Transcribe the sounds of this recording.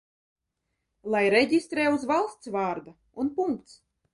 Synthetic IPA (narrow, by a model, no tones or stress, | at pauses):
lˠajɾɛɟʲist̪ɾɛːuzvalˠst̪svaːɾd̪a | unpuŋkt̪s